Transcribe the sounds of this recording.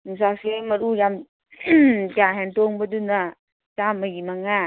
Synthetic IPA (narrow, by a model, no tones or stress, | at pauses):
nuŋs̬asemɐɾujam | taɦentoŋbɐduna | t͡ʃamɐjimaŋa